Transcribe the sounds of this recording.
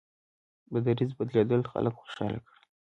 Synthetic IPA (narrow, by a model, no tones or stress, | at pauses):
bad̪aɾizbad̪led̪əlxa̰ləkxo̥ʃɑ̰la̰kɽ